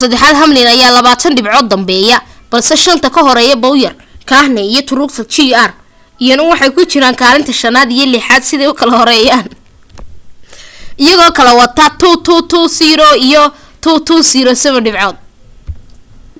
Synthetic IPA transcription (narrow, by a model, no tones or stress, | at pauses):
sɐd̪ɛħaːd̪ɦɐmlɪnɐjaːlɐβaːt̪ʰɐnɖɪbʕɔːd̪ːɐmbɛːjɐb̥ɐlsɛʃɐnt̪ʰɐkʰɐɦɔɾɛːjɐbɔwjɐr | kʰaːhnɛijɔt̪ʰʊɾuːkt̪ʰɐt͡ʃiar | ijɔnɐwɑħɑjkʰʊt͡ʃɪɾaːŋkʰaːlɪnt̪ʰɐʃɐnaːd̪ijɐlɪħaːd̪sɪðɛjʊkʰɐlɐhɔɾɛːjaːn | ʔɪjɐɣɔːkʰɐlɛwɑt̪ʰɐt̪ʰut̪ʰuːt̪ʰuːsiːɾɔijɔ | t̪ʰuːt̪ʰuːsiːɾɔːsɐβɐɖɪbʕɔːd̪̚